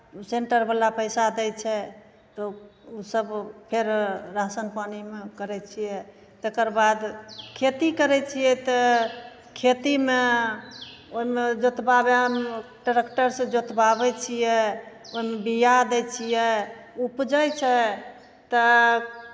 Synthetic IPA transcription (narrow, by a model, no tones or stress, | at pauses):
seɳʈəɾbəlapəjsad̪ɛjt͡ʃʰɛ | t̪ɔusəbpʰeɾɾasənpanimekəɾɛt͡ʃʰijɛ | t̪ekəɾbad̪kʰet̪ikəɾɛt͡ʃʰijɛt̪ɔ | kʰet̪ime | oɦimed͡ʒot̪babeɦəmʈəɾekʈəɾsẽd͡ʒot̪babɛt͡ʃʰijɛoɦimebijad̪ɛt͡ʃʰijɛ | upd͡ʒəjt͡ʃʰɛ | t̪ɔ